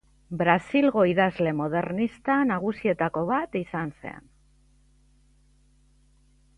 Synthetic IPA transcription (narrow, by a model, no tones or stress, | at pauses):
bɾasilɣo̞iðazle̞mo̞ð̞e̞ɾnist̪anaɣ̞usie̞t̪ako̞βat̪isanse̞̰n